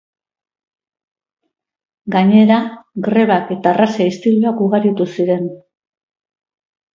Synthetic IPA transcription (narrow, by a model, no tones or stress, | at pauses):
ɡaɲe̞ɾaɡɾe̞βake̞t̪aːrasaist̪iluakuɣaɾit̪usiɾe̞n